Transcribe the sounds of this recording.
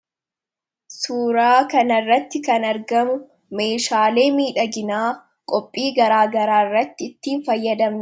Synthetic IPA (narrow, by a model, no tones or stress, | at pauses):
suːɾaːkɐnɐrːɐt̪ːɪkɐnɐɾɡɐmʊ | me̞ːʃaːle̞ːmiːᶑɐɡɪnaː | kʼɔpʼːiːɡɐɾaːɡɐɾaːɪrːɐt̪ːɪɪt̪ːiːnfɐjːɐd̪ɐmn